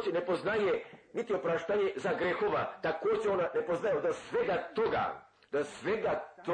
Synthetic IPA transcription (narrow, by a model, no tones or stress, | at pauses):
d͡ʑenepoznajenit̪iopɾaʃt̪aɲezaɡɾexoʋa̰t̪akoːd͡ʑeonanepoznajeod̪asʋeɡat̪oɡa̰ | d̪̥asʋeɡat̪